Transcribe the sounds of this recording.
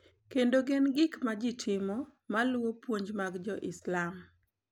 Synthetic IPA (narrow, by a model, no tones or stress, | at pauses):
kendoɡenɡɪkmad͡ʒɪtʰɪmɔmalwopwoɲd͡ʒmaɡd͡ʒɔʔɪslam